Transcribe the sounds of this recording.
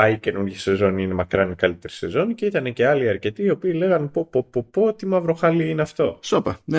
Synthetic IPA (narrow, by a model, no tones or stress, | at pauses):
ɐice̞nuɾʝɐse̞zo̞niine̞mɐkɾɐnikɐlit̪e̞ɾi̥se̞zo̞niceit̪ɐne̞ce̞ɐliɐɾce̞t̪iːo̞piːle̞ɣɐnpopopopot̪imɐvɾo̞xɐliineɐft̪o̞sopɐne